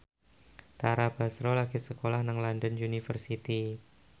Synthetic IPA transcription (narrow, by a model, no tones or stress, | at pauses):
t̪aɾab̥asɾolaɡisəkolahnəŋlɔndənunifərsit̪i